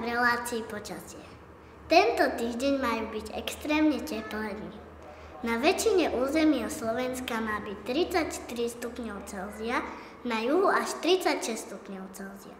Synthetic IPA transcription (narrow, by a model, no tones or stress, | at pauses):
ɾɛlaːt͡siːpɔt͡ʃasɪɛ | t̪ɛnt̪ɔt̪iːʒɟɛɲmaːjuːbiɟɛ̰kst̪ɾɛːmɲɛcɛplɛniː | naʋɛt͡ʃiɲɛʔuːzɛmiːaslɔʋɛnskamaːbict̪ɾit͡sacʃt̪iɾist̪upɲɔʊt͡sɛlzia | najuɦuaʃt̪ɾit͡sacʃɛst̪upɲɔʊt͡sɛlzia̰